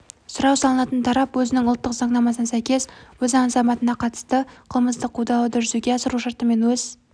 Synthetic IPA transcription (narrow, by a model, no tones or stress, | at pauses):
sʊɾɑwsɑlˠənɑt̪ənt̪ʰɑɾɑpwɵzɪnɪŋʊlˠt̪ːəqzɑɴnɑmɑsənsæjkʲe̞swɵzɑɴzɑmɑt̪ənɑqʰɑt̪ə̥st̪əqʰəlˠməsd̪əqʰːud̪ɑlˠəd̪ʏʒʏzuɡʲeɑsəɾuʃɑɾt̪əme̞nwɵz